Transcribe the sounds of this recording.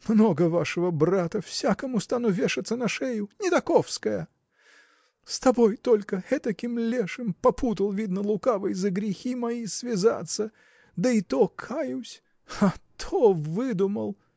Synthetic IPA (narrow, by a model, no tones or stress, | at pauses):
mnoɡəvaʂəvəbrat̪əfsʲakəmʊst̪anuvʲeʂɨt̪sənɐʂɛjʊnʲɪt̪ɐkofskəjə | st̪ɐbojt̪olʲkəɛt̪ɐkʲimlʲeʂɨmpɐput̪əlˠvʲid̪nəlˠʊkavəjzəɡɾʲɪxʲimɐisvʲɪza̰t̪sːə | d̪əɪt̪okʰajʊsʲ | ɐt̪ʰovɨd̪ʊməlˠ